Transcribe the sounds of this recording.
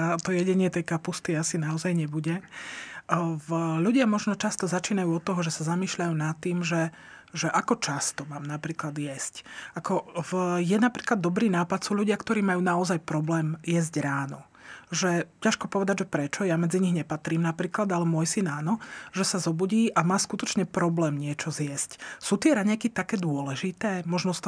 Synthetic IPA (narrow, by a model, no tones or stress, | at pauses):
at̪ɔjɛɟɛɲɪɛt̪ɛjkapust̪iasinaɔzajɲɛbuɟɛ | vʎuɟɪamɔʒnɔt͡ʃast̪ɔzat͡ʃiːnajuːɔt̪ːɔɦɔʒɛsazamiːʃʎajuːnat̪ːiːmʒɛ | ʒɛʔakɔt͡ʃast̪ɔmaːmnapɾiːklad̪jɛscakɔvjɛnapɾiːklad̪ːɔbɾiːnaːpat̪suːʎuɟɪakt̪ɔɾiːmajuːnaɔzajpɾɔblɛːmjɛzɟɾaːnɔ | ʒɛcaʃkɔpɔʋɛd̪aɟʒɛpɾɛt͡ʃɔjamɛd͡ziɲiɦɲɛpat̪ɾiːmnapɾiːklad̪alɛmɔjsinaːnɔʒɛsazɔbuɟiːʔamaːskut̪ɔt͡ʃɲɛpɾɔblɛːmɲɪɛt͡ʃɔzjɛscsuːt̪ɪɛɾaɲɛkit̪akɛːd̪ʊɔlɛʒit̪ɛːmɔʒnɔst̪